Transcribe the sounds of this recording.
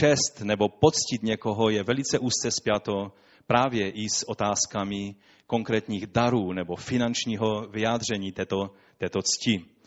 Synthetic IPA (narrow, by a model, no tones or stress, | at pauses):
t͡ʃɛst̪nɛbo̞pot͡scit̪ɲɛko̞ɦo̞jɛvɛlit͡sɛʔuːst͡sɛspjat̪o̞ | pɾaːvjɛʔisʔot̪aːskamɪ | ko̞ŋkɾɛːt̪ɲiːɣdaɾuːnɛbo̞fɪnant͡ʃɲiːɦovɪjaːd̪r̝ɛɲiːt̪ɛt̪o | t̪ɛːt̪ot͡sci